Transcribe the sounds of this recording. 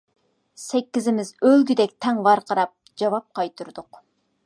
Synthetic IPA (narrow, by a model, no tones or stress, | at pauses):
sɛkʲːizɪmɪzølɡʲyd̪ɛkʲt̪ʰɛŋvɑɾqʰɑɾɑp̚ | d͡ʒɑvɑp̚qʰɑjt̪ʰuɾd̪ʊq